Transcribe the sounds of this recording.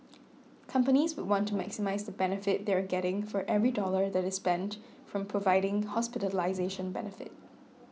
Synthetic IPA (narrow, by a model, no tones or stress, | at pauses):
kʰʌ̃mpəniswʊd̚wɔ̃ntʰːumæ̰ksɪmaɪzðəbɛnəfɪt̚ðɛɹɡɛɾɪ̃ŋfɔɹʔɛvɹidɔlə˞ðæɾɪspɛ̃nt | fɹɔ̃mpʰɹovaɪɾɪ̃ŋhɔspɪtəlaɪzeʃə̃nbɛ̰nəfɪ̰t̚